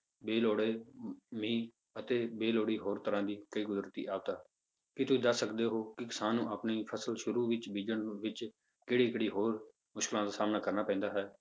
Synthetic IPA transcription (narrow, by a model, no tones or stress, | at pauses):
beːloːɽeːmĩː | ət̪eːbeːloːɽiːɦoːɾt̪əɾãːd̪iːkəiːkʊzɾət̪ḭːʔaːbt̪aː | kɪt̪ʊĩːd̪əsːəkd̪eːɦoːkɪkɪsaːnːũːəːpniːpʰəsəlʃʊɾuːʋɪt͡ʃbiːd͡ʒəɳʋɪt͡ʃ | keːɽiːkeɽiːɦoːɾ | mʊʃkɪlãːd̪aːsaːmnaːkəɾnaːpɛ̃nd̪aːɦɛː